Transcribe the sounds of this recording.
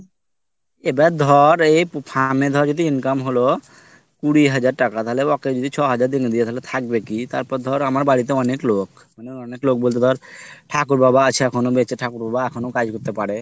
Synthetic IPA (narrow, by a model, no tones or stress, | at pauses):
ebad̪ʱɔɾejppʰamed̪ʱɔɾd͡ʒod̪iinkamɦolo | kuɽiɦad͡ʒaɾʈakat̪aɦeleɔked͡ʒod̪it͡ɕʰɔɦad͡ʒaɾd̪iŋd̪ijet̪aɦelet̪ʰak̚bekit̪aɾpɔɾd̪ʱɔɾamaɾbaɽit̪̬eɔneklok | maneɔneklok̚bolt̪ed̪ʱɔɾʈʰakuɾbabaat͡ɕʰeɛkʰonobet͡ʃʰeʈʰakuɾbabaɛkʰonokad͡ʒkoɾt̪epaɽe